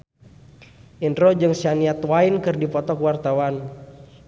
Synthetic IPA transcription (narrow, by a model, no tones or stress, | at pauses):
ʔinɾɔd͡ʒɨŋsianiat̪wainkɨrdipɔt̪ɔkəwart̪awan